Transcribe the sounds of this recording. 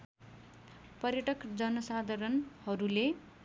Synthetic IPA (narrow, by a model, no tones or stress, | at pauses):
pʌrjʌʈʌkd͡zʌnʌsad̪ʱʌɾʌnhʌɾule